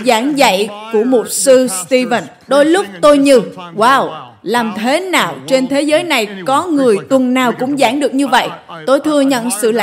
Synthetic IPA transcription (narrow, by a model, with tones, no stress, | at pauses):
zaː˧˩ŋzə̰˧˨jku˧˩əmo˨˩t̚sɨ˧st̪i˧və˨˩n | ɗo˧jlʊ˦˥k͡p̚t̪o˧jɲɨ˧waː˧˩w | laː˨˩mt̪ʰe˨˦naː˨˩wt͡ɕe˧nt̪ʰe˨˦zəː˨˦jna˨˩jkɔ˨˦ŋɨ˨˩əjt̪wə˨˩nnaː˨˩wkʊ̰˧˥ŋ͡mzaː˧˩ŋɗɨ˨˩ək̚ɲɨ˧və̰˧˨jʔt̪o˧jt̪ʰɨ˧əɲə̰˧˨nsɨ̰˧˨la̰˧